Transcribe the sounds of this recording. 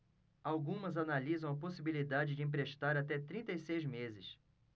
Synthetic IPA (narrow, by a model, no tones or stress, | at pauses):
awɡũmɐzanalizɐ̃w̃ɐposibilid̪ad͡ʒɪd͡ʒɪĩpɾeʃt̪aɾat̪ɛt̪ɾĩnt̪ɐjsejzmezɪs